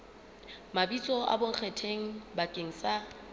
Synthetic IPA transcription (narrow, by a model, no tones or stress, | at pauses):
mabit͡sʼɔa̰boŋ̩k͡xʰetʰeŋ̩bakʼeŋ̩sa